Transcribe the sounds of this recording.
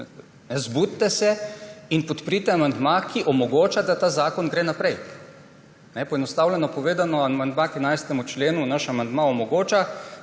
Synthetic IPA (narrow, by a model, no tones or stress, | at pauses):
nɛzbut̪ːɛsɛinpɔt̪pɾit̪ɛamand̪makʰiʔɔmɔɡoːt͡ʃad̪at̪aːzaːkɔnɡɾeːnapɾɛj | nɛpɔjɛnɔst̪aːwlʲɛnɔpɔʋeːd̪anɔamand̪makinajst̪ɛmut͡ʃleːnunaʃamand̪maɔmɔɡoːt͡ʃa